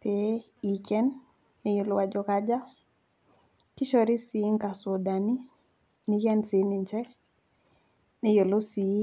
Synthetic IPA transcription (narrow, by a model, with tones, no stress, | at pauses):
pe˨ | i˨kɛ˦n | e˨jo˨lo˦wa˨d͡ʒo˨kad͡ʒa˦ | ki˦ʃo˨ɾi˦si˨˦ŋka˨so˨da˨ni˦ | ni˨kɛ˦nsi˨ni˨ɲt͡ʃɛ˦ | ne˨˦jo˨lo˦si˨˦